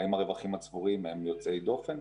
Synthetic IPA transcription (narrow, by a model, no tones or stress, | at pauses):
imaʁe̞vaχimat͡sbuʁimemjo̞t͡sejdo̞fe̞n